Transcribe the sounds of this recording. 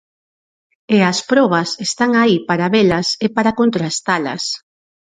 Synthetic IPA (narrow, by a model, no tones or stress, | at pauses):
eɐspɾɔβɐsest̪aŋaipaɾaβelɐsepaɾakont̪ɾast̪alɐ̰s